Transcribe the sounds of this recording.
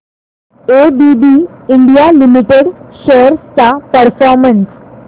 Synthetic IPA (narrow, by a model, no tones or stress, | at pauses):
ebibiiɳɖijalimiʈeɽɕoɾst͡sapəɾfɔɾməns